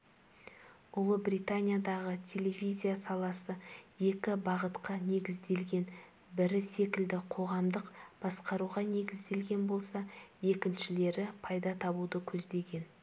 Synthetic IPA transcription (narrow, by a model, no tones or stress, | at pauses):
ʊlˠəbrijt̪anʲijad̪ɑʁət̪ʲʰe̞lʲe̞vizʲijasɑlˠɑsəje̞kʲɪbɑʁət̪qɑne̞ɡʲɪzd̪e̞lɡʲe̞n | bɪɾɪse̞kʲɪld̪ɪqʰo̞ʁɑmd̪əqb̥ɑsqɑɾuʁɑne̞ɡʲɪzd̪e̞lɡʲe̞nbo̞lˠsɑje̞kʲɪnʃɪle̞ɾɪpʰɑjd̪ɑt̪ʰɑbud̪əkʲʰɵzd̪e̞ɡʲe̞n